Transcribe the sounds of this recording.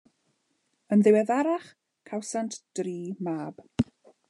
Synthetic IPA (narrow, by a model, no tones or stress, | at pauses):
ənðɪwɛðaɾaχ | kʰawsantʰd̥riːmaːb̥